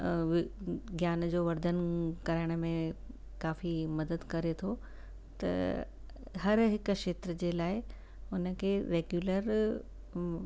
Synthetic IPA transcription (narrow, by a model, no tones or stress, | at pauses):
ʋɡjaːnd͡ʑoːʋɐɾd̪ʱənkɐɾaɪɽ̃̆mẽ | kaːfimɐd̪əd̪kɐɾet̪ʰo | t̪ɐ̰ | ɦɐɾɦɪkʃeːt̪ɾəd͡ʑeːlaːɪ | ʊnə̆kʰeːɾeːɡjuːləɾ